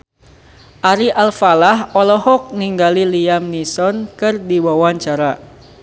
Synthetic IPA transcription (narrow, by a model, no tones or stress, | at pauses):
ʔaɾiʔalfalahɔlɔhɔk̚niŋɡaliliamnisɔnkɨrdiwawaɲt͡ʃaɾa